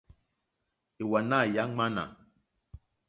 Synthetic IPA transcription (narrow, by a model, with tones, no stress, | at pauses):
e˨wa˨na˦˨ja˦ŋ͡ma˦na̰˨